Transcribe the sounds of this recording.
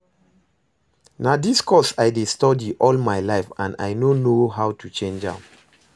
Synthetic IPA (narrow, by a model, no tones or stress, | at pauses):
nadiskʰɔsajdestɔdiʔɔlmajlaɪfãna̰jnonoɦawtʰut͡ʃẽnd͡ʒã̰m